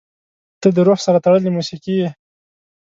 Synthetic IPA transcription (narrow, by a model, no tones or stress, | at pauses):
t̪əd̪əɾoxsaɾat̪aɽəlimusiqie